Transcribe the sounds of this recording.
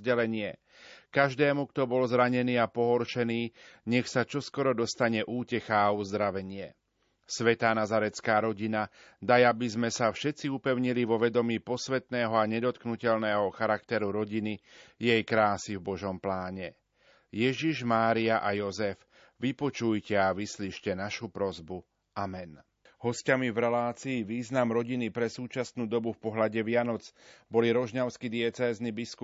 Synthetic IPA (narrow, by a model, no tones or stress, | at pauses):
ɟɛlɛɲɪɛ | kaʒd̪ɛːmukt̪ɔbɔlzɾaɲɛniːapɔɦɔɾʃɛniːɲɛxsat͡ʃɔskɔɾɔd̪ɔst̪aɲɛʔuːcɛxaːuzd̪ɾaʋɛɲɪɛ | sʋɛt̪aːnazaɾɛt͡skaːɾɔɟina | d̪ajabizmɛsafʃɛt̪t͡siupɛʊɲiliʋɔʋɛd̪ɔmiːpɔsʋɛt̪nɛːɦɔaɲɛd̪ɔt̪knucɛʎnɛːɦɔxaɾakt̪ɛɾuɾɔɟinijɛjkɾaːsivbɔʒɔmplaːɲɛ | jɛʒiʒmaːɾiaʔajɔzɛf | ʋipɔt͡ʃujcɛaʋisliːʃcɛnaʃupɾɔzbu | ʔamɛn | ɦɔscamivɾɛlaːt͡siːʋiːznamɾɔɟinipɾɛsuːt͡ʃasnuːd̪ɔbufpɔɦlaɟɛʋɪanɔt͡sbɔliɾɔʒɲaʊskid̪ɪɛt͡sɛːznibisku